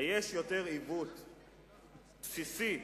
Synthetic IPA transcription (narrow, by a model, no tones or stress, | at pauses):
jeʃjot̪eʁivut̪ | psisi